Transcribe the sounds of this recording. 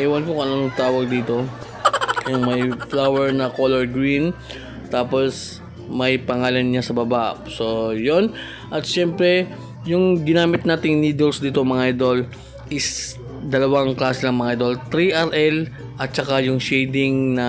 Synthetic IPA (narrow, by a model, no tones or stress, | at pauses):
ɛwɐnkokonlonot̪aːwɐɡ̚d̪iːt̪o̞ | jʊŋmɐjflawɛɹnɐkolɛɹɡɾin | t̪aːpo̞s | mɐjpɐŋaːlɐnɲasɐbɐbaso̞jon | ʔɐt̪̚ʃɛmpɾɛ | jʊŋɡɪnaːmɪt̪̚naːt̪ɪŋniːd̪ɛlsd̪iːt̪omɐŋaʔajd̪ol | ʔɪs | d̪ɐlɐwaŋklaːsɛnɐŋmɐŋaʔajd̪o̞lt̪ɾiʔaɾʔɛl | ʔɐt̪̚t͡ʃɐkajʊŋʃɛjd̪ɪŋnɐ